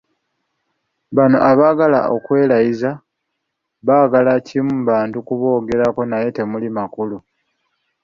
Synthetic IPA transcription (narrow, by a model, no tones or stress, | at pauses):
βano̞ʔaβaːɡala̰o̞̰kwe̞ːlajiza | βaːɡalacimuβaːntukuβo̞ːɡe̞ɾako̞naje̞te̞mulimakulu